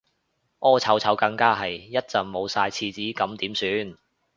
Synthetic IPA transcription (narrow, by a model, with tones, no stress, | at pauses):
ʔɔː˧˥t͡sʰɐ˨˥wt͡sʰɐ˨˥wkɐ˧ŋkaː˥ɦɐ˨jjɐ˥t̚t͡sɐ˨ŋmo˨˧wsaː˧jt͡sʰiː˧t͡siː˨˥kɐ˨˧˥mt̪iː˨˥msyː˨˥n